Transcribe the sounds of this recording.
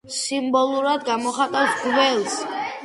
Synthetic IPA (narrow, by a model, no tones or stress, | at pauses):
simbɔlˠuɾad̪ɡamɔχat̪ʼawsɡvɛlˠs